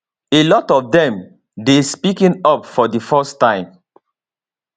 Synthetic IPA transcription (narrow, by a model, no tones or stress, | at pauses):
elɔtɔfdɛ̃m | despikĩnɔpfɔdifɔstːãɪ̃m